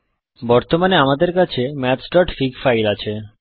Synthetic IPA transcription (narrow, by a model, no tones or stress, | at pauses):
bɔɾt̪omaneamad̪eɾkat͡ɕʰemɛtsʈɔʈfikfajlat͡ɕʰe